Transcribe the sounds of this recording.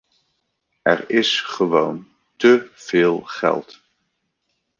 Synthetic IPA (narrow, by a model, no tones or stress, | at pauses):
ɛɹɪsχəʋown | təv̥ɪːlˠχɛ̰lˠt